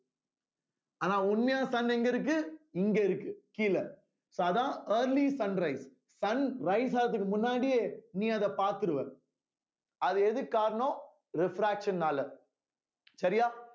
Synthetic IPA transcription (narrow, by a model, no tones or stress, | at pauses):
aːnaːʊnmɐjaːsɐnɛŋɡɐɪɾɯk̬ːɯɪŋɡeɪɾɯkːɯkiːlɐ | soːɐðãːeːɾlisɐnɾɐɪs | sɐnɾɐɪs̬aːlɐt̪̬ːɯk̬ːɯmʊnːaːɽijeːnĩːɐðɛpaːɾt̪ɪɾɯʋɛ̰̃ː | ɐðɯɛðɯkːaːɾɐɳõː | ɾɪfɾaːkʂɐnːaːlɐ | sɐɾɪjaː